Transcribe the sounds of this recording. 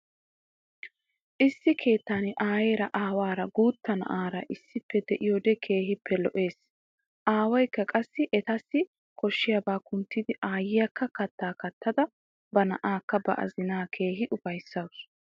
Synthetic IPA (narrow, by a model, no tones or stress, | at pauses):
ʔɪsːɪkʰe̞ːt̪ːaːnɪʔaːjeːɾɐʔaːwaːɾɐɡuːt̪ːɐnɐ̰ʔaːɾɐʔɪsːɪpːɛd̪ɛʔɪjɔd̪ɛkʰe̞ːhɪpːɛlɔʔe̞ːs | ʔaːwɔjkːɐkʼɐsːɪʔɛt̪ɐsːɪ | kɔʃːɪjɐbaːkʊnt̪ːɪd̪ɪʔaːjɪjɐkːɐkɐt̪ːaːkɐt̪ʰːɐd̪ɐ | bɐnɐ̰ʔaːkːɐbɐ̰ʔɐ̰zɪnaːkʰe̞ːɦɪʔʊfɐjsːɐws